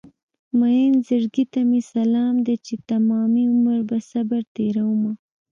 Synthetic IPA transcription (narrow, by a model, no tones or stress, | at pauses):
majenzaɾɡit̪amesalɑmd̪et͡ʃet̪amɑmiʊməɾbasabaɾt̪eɾawuma